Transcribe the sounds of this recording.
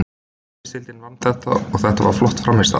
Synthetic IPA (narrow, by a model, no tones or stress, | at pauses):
sɪlt̪ɪnvanːθɛht̪a̰ɔɣθɛht̪a̰va̰ɾ̥flɔht̪fɾamːɪst̪a̰